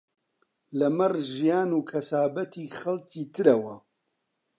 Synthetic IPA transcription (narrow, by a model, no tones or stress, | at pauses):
lɐmɐrʒijaːnuːkʰɐsaːbɐt̪ʰiːxɐlciːt̪ʰɨɾɐwɐ